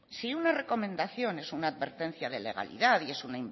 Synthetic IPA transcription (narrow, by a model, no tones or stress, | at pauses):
siunare̞ko̞mẽ̞nd̪aθjo̞ne̞sunaːðβe̞ɾt̪e̞n̟θiað̞e̞le̞ɣ̞a̰lḭðaðie̞sunaim